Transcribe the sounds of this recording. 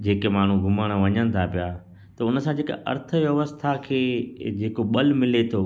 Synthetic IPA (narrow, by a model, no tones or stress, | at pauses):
d͡ʑeːkemaːɳ̤ũɡʱʊməɽ̃ʋɐɲəñɪ̆t̪ʰapijaː | t̪ɐʊnəsãd͡ʑeːka̰ʔɐ̰ɾt̪ʰəʋjɐʋəst̪ʰakʰeːd͡ʑeːkoɓɐlmɪlet̪ʰoː